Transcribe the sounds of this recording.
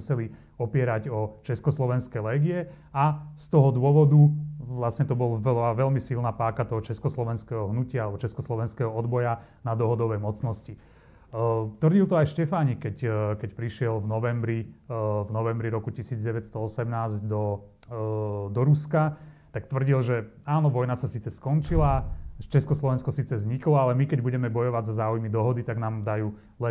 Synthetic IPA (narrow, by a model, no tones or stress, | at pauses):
usɛli | ɔpɪɛɾaɟɔt͡ʃɛskɔslɔʋɛnskɛlɛːɡiɛ | ast̪ɔɦɔd̪ʊɔʋɔd̪uʋlasɲɛt̪ɔbɔlɛlaʋɛʎmisilnapaːkat̪ɔɦɔt͡ʃɛskɔslɔʋɛnskɛːɦɔɦnucɪaalɛbɔt͡ʃɛskɔslɔʋɛnskɛɦɔɔd̪bɔja | nad̪ɔɦɔd̪ɔʋɛjmɔt͡snɔsci | t̪ʋr̩ɟilt̪ɔajʃcɛfaːɲikɛckɛcpɾiʃɪɛlvnɔʋɛmbɾivnɔʋɛmbɾiɾɔkucisiːd͡zɟɛʋɛt̪st̪ɔɔsɛmnaːzɟd̪ɔ | d̪ɔɾuskat̪akt̪ʋr̩ɟilʒɛ | aːnɔʋɔjnasasiːt͡sɛskɔnt͡ʃilat͡ʃɛskɔslˠɔʋɛnskɔsiːt͡sɛzɲiklɔalɛmikɛɟbuɟɛmɛbɔjɔʋaɟzazaːujmid̪ɔɦɔd̪it̪aɡnaːmd̪ajuː | lɛ